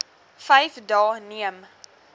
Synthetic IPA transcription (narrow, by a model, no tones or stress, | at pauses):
fɛjfdɑːniəm